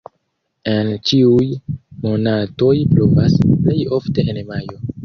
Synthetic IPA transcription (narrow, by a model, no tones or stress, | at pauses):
ent͡ʃiujmo̞nato̞jplovasple̞jo̞fte̞ʔenmajo̞